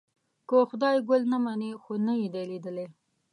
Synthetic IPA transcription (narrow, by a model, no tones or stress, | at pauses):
koxʊd̪ɑjɡʊlnamanexonajid̪aled̪əle